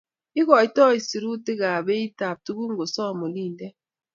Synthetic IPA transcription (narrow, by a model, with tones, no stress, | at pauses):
i˦ɣɔ˨i˦tɔ˦˨i˨si˨ɾu˦te˦ɣa˨βe˦i˦ta˨p̚tu˦βu˦ŋ˦ɡo˨sɔ˦˨mo˨li˦˨ndɛ˦